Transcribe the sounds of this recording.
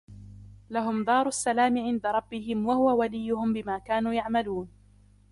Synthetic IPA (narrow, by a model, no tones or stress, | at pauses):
laɦʊmd̪ˤɑːɾˤʊʔsːalaːmɪʕɪnd̪aɾˤɑbːɪhɪmwahʊwawalɪjːʊhʊmbɪmaːkaːnuːjaʕmaluːn